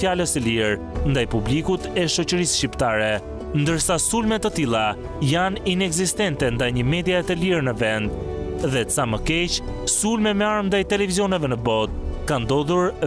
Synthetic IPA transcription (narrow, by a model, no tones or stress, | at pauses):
jaləsəliɾ | nd̪ajpublikut̪ɛʃɔt͡ɕəɾisʃcipt̪aɾɛ | nd̪əɾsasulmɛt̪ːət̪ilˠa | janinɛɡzist̪ɛnt̪ɛnd̪ajɲəmɛd̪jaɛt̪əliɾnəvɛnd̪ðɛsaməkɛt͡ʃsulmɛmɛaɾnd̪ajt̪ɛlɛviziɔnɛvɛnəbɔt̪̚kand̪ɔðuɾ